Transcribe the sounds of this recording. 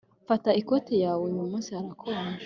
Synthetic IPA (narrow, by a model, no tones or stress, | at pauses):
fataikotejaːwemumuːsiaɾakʰoɾa